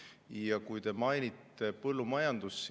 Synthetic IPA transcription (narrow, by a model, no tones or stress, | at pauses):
jɑkujt̪e̞mɑjnʲit̪ːe̞pɤlːumɑjɑnd̪̥usː